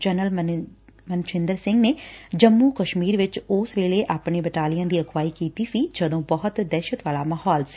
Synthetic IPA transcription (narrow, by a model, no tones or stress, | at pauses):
d͡ʒənəl | mənt͡ʃɪ̃nd̪əɾsɪ̃ŋɡneːd͡ʒəmːuːkəʃmiːɾʋɪt͡ʃʊːsʋeːleʔaːpɳeːbəʈaːlɪjãːd̪iːəkwaːikiːt̪isid͡ʒəd̪õːbəɦʊt̪d̪ɛːʃət̪ʋaːlaːməhɔːls